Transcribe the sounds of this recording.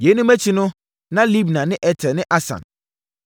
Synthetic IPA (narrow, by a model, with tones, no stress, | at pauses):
je˨˦nũ˦mæ˦t͡ɕʰi˦nʊ̃˦ | nã˦li˦bnã˨nɪ̃˦ʔɛ˨tʰɛ˨nɪ̃˦ʔa˦sã̰˨n